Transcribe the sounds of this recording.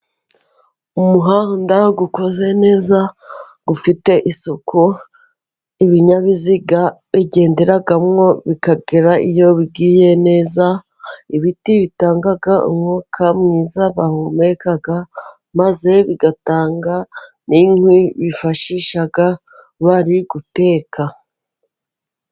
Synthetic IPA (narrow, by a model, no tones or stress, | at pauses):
umuɦaːndaɡuko̞ze̞ne̞ːza | ɡ̥ufite̞ʔisokʰu | iβiɲaβiziɡaβiɟe̞ːndeɾaɡamŋo̞βikaɡeɾaʔḭjo̞βiɡiːje̞ne̞ːza | iβitiβitaːŋɡaɡaʔṵmŋokʰamŋiːzaβahumekaɡa | maze̞βiɡataːŋɡa | niŋwiβifaʃiʃaɡa | βaɾiɡute̞ːkʰa